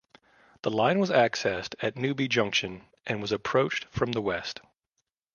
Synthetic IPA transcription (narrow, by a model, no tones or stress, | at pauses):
ðəlãɪ̃nwʌzæksɛstɨtⁿnʉbid͡ʒʌ̃ŋkʃɨ̃n | ʔɨ̃nwʌzɨpʰɹ̥oʊt͡ʃtfɹʌ̃mðəwɛst